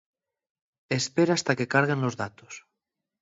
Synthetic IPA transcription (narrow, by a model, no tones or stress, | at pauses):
espeɾast̪akekaɾɣ̞enlozðat̪o̥s